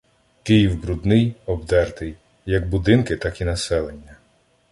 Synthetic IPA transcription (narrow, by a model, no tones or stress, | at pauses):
kɪjiwbɾud̪nɪjɔbd̪ɛrt̪ɪj | jɐɡ̚bʊd̪ɪnkɪt̪ɑkinɐsɛlˠenʲːɐ